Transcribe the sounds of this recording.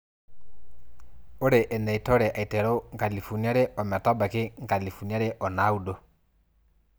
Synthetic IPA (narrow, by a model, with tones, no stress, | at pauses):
o˦ɾe˨ʔɛ˨nɛ˨i˨tɔ˦ɾɛ˨ʔa˨i˨tɛ˨ɾo˦ŋka˨li˨fu˨ni˦a˦ɾe˦ɔ˨mɛ˨tɔ˦ba˨kɪ˦ŋka˨li˨fu˨n˨˦a˦ɾe˦ʔɔ˨na˦u˦do˦